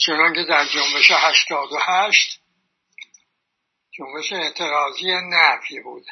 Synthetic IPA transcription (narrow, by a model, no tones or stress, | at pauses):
t͡ʃʰe̞nɒŋcʰe̞d̪æɾd͡ʒo̞mbe̞ʃehæʃt̪ɒːd̪ohæʃt̪ | d͡ʒo̞mbeʃeːt̪ʰeɾɒːzijenæfiːbuːd̪̥